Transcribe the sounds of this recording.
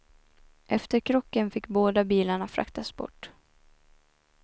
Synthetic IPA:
ʔɛft̪əɾkʰɾɔkːənfɪkːboːd̪abiːlaɳafɾa̰kt̪asbɔ̰ʈː

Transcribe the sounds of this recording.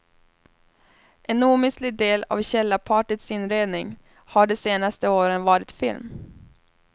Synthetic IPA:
ʔɛnuːmɪslɪɡd̪eːla̰vɕɛlːapʰɑːʈət̪sɪnɾeːd̪nɪŋ | haɖɛseːnast̪əoːɾənvɑːɾɪt̪fɪ̰lm

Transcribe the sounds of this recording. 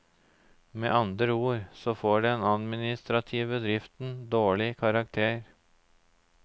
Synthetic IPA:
meːʔɑnd̪ɾəuːɾsɔfoːɖeːeːnɑd̪mɪnɪst̪ɾɑt̪ʰiːʋəd̪ɾɪft̪n̩d̪oːɭɪkʰɑɾɑk̚t̪ʰeːɾ

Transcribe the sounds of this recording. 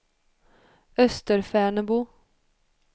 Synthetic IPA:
œst̪əɾfæːɳəbu

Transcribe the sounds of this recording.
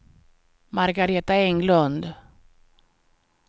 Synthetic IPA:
maɾɡaɾeːt̪aɛŋlɵnd̪

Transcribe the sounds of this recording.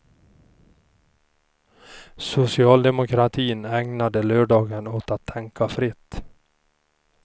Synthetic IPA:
sʊsɪɑːld̪ɛmʊkʰɾat̪ʰiːnɛŋnad̪əløːɖɑːɡənoːt̪at̪ʰːɛŋkʰafɾɪt̪ː

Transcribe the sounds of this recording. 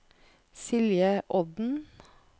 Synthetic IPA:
sɪljəʔɔd̪n̩

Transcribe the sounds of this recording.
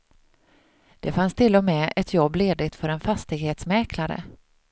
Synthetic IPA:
d̪̥ɛfanst̪ʰɪlːɔmɛɛt̪jɔbːleːd̪ɪt̪fœɾɛnfast̪ɪɡheːt̪smɛːklaɾə̰

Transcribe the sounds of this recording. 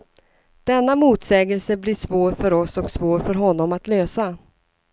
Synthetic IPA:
d̪̥ɛnːamuːt̪sɛːɡəlsəbliʂvoːɾfœɾɔsɔksvoːɾfœɾɦɔnːɔmat̪løːsa

